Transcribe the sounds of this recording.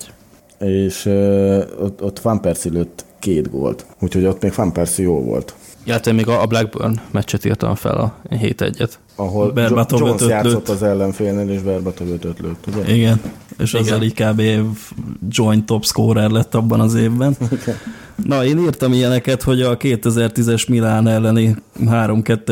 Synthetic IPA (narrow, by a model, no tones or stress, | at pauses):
eːʃø | ot̪ːfampɛrsiløːt̪ːkeːd̪ɡo̰lt̪ucho̞ɟot̪meːkfampɛrsijoːlvo̰lt̪ | ilːɛt̪ːɛmeːɡɒblɛɡ̚bø̰rnmɛt͡ʃːɛt̪ḭːrt̪ɒ̰ɱfɛ̰lɒɦḛːt̪ɛ̰ɟːɛt̪ | ɒɦolbɛrbɒt̪od͡ʒønt̪øjaːt̪lsot̪ːɒzɛlːɛɱfeːlneːleːʃbɛrbɒt̪oɡøt̪øt̪løːt̪ːuɟɛʔiɡɛnḛːʃɒzelikaːbevd͡ʒo̞jnt̪o̞pskoːɾɛrlɛt̪ːɒbːɒnɒzeːvbɛn | nɒeːniːrt̪ɒmijɛnɛkɛt̪ho̞ɟɒkeːt̪ɛzɛrt̪izɛʃmilaːnɛlːɛniɦaːɾo̞mkɛt̪ːɛ